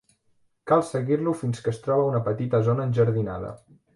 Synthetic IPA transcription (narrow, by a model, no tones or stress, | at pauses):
kalˠsəɣirlufinskəst̪ɾɔβəunəpət̪it̪əzonəːnʲʒəɾðina̰ðə̰